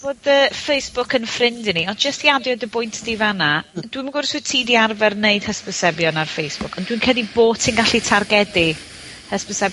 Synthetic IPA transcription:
boːdəfejsb̥ʊkʰənfrɪndɪniɔnd͡ʒəstjadjɔdəbʊjntʰd̥ivanad̥wiməɡʊrswɨtʰidiarvɛrnejd̥həspəsɛbjɔnarfejsb̥ʊkʰɔndwinkʰədˠiboːtʰinɡaɬitʰarɡɛdi | həspəsɛb

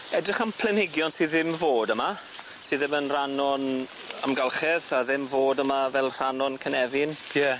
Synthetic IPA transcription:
ɛdrɪχəmpʰlˠɛnɪɡjɔnsɨːðɪmvoːdəma | sɨːðɪmənr̥anɔn | ə̰mɡalˠχɛðaðɪmvoːdəmavɛlˠr̥anɔnkʰənɛvɪnjɛ

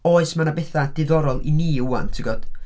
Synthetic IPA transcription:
oːɨsmanabɛθad̥ɪðɔɾɔlˠḭniːuwantʰɪɡɔd̥

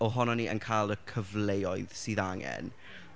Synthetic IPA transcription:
ɔɦɔnɔniʔənkʰajlˠəkʰəvlejɔɨðsiːðaŋɛ̰n

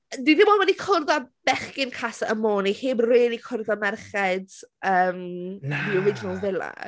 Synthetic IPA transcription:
diðɪmɔwɛdikʰʊrðab̥ɛχkɪnkʰasaʔəmoːniheːbreːlˠikʰʊrðamɛrχɛdəːmdiɔɾɪd͡ʒɪnalˠvɪlˠa̰

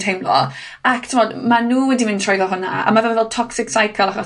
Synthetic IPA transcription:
thejmlɔ̰ | aktʰɪmɔːdmanuːwɛdivɪntʰrɔjðɔɦʊna̰a̰mavɛlvɛlˠtʰɔksɪksajkʰəlˠaχɔ

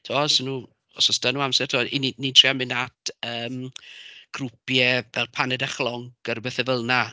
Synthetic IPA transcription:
tʰuɔsɔnuː | ɔsɔsd̥anuːamsɛr̥tʰuɔininitʰriamɪnatəːm | ɡ̥rupjɛvɛlˠpʰanɛdaχlˠɔŋkəɾbeθɛvəlˠna

